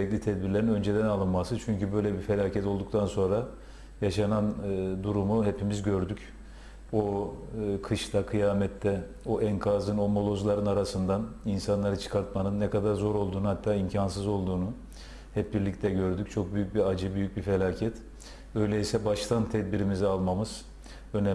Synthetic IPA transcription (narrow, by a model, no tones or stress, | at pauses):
ɾɛclʲit̪ʰɛd̪̚biɾlʲeɾinø̞nd͡ʒed̪ɛnalˠɯnmasɯt͡ʃʰyɲcybø̞jlʲɛbife̞lʲaːcʰɛt̪o̞lˠd̪uk̚t̪ʰanso̞nɾa | jaʃanand̪uɾumuɦepimizɟø̞ɾd̪yc | o | kʰɯʃt̪ʰakʰɯjaːmɛt̪ʰːɛ | oʔɛŋkʰaːzɯno̞mo̞lˠo̞zlˠaɾɯnaɾasɯnd̪aninsanlˠaɾɯt͡ʃʰɯ̥kʰaɾt̪manɯnːɛkad̪aɾzo̞ɾo̞lˠd̪uːnuhat̪ʰːaːimcʰansɯzo̞lˠd̪uːnu | hɛp̚biɾlʲict̪ʰɛɟø̞ɾd̪yc̚t͡ʃʰo̞k̚byjyc̚biad͡ʒɯbyjyc̚bife̞lʲaːcʰɛt̪ | ø̞jlʲɛisɛbaʃt̪ʰant̪ʰɛd̪biɾimizɛalˠmamɯz̥ | ønɛ